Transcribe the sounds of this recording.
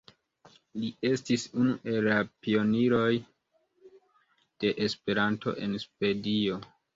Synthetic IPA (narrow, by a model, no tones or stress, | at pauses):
lie̞stisunuʔe̞lːapio̞niɾo̞j | d̥e̞ʔespe̞ɾanto̞̰ʔe̞̰nsve̞dio̞